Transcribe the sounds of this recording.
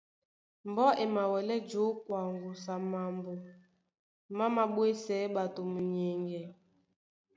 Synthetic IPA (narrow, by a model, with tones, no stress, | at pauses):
m˨bɔ˦ʔe˨ma˨wɛ˨lɛ˦d͡ʒo˨˦kwa˨ŋɡu˨sa˨ma˨mbo˨ | ma˦ma˨ɓwe˦sɛ˨˦ɓa˨to˨mu˨ɲe˨ŋɡɛ˨